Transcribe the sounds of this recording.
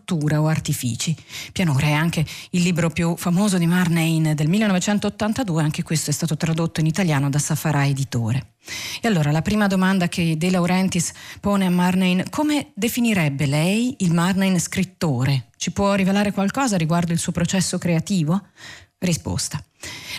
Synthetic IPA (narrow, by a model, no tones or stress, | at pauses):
t̪ːuːɾaoart̪ifḭːt͡ʃipjanoːɾeɛaŋkeilːiːbɾopjufamoːzod̪imarnejnd̪elmilːenɔvet͡ʃɛnt̪oːt̪ːant̪ad̪uːeaŋk̟ekwest̪oɛst̪aːt̪ot̪ɾad̪ot̪ːoinit̪aljaːnod̪asafaɾʔaed̪it̪oːɾe | ealːoːɾalapɾiːmad̪omand̪akʰed̪elawɾɛnt̪ispoːneamːarnejnkʰomed̪efiniɾɛbːelɛjilmarnejnskɾit̪ːoːɾet͡ʃipwɔrːivelaːɾekwalkɔːzaɾiɡward̪oilsuːopɾot͡ʃɛsːokɾeat̪iːvorispo̰st̪a